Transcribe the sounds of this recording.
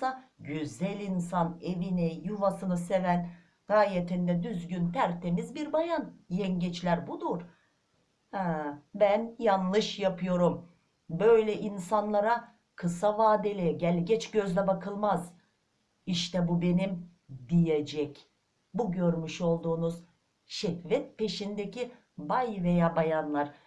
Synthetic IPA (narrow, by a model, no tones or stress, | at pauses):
aɟyzɛlʲinsane̞vinijuvasɯnɯse̞væn | ɡ̥aːjet̪ʰind̪ɛd̪yzɟynt̪ʰæɾt̪ʰe̞mizbiɾbajanjɛnɟɛt͡ʃlʲæɾbud̪uɾ̥ | ɛbænjanlˠɯʃjapʰɯjo̞ɾum | bø̞jlʲɛʔinsanlˠaɾa | kʰɯsavaːd̪elʲɛɟælʲɟɛt͡ʃɟø̞zlʲɛbakʰɯlˠmaz | iʃt̪ɛbube̞nim | d̪ijed͡ʒɛc | buɟøɾmyʃo̞lˠd̪uːnuz̥ | ʃɛhvɛt̪̚pe̞ʃind̪ecʰi | bajvejaːbajanlˠaɾ̥